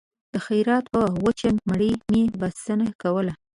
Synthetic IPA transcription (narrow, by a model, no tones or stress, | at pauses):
d̪̥əxajɾɑt̪pəwət͡ʃanmaɽimebast̪anakawəla